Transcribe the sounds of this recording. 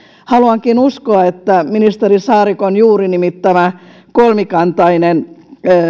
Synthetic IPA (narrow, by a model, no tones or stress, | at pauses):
hɑluɑŋkinuskoɑet̪ːæminist̪erisɑːrikonjuːrinimit̪ːæmæ | kolmikɑnt̪ɑinen